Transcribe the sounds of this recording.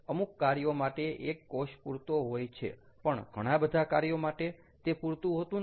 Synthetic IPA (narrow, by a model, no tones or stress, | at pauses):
əmukːaɾjomaʈeʔekːoʃpuɾt̪oɦojt͡ʃʰḛ | pəɳɡʱəɽ̃ãbəd̪ʱakaɾjomaʈe | t̪epuɾt̪ũɦot̪ũ